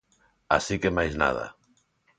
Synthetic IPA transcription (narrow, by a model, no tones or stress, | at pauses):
a̰sikemajzna̰ða̰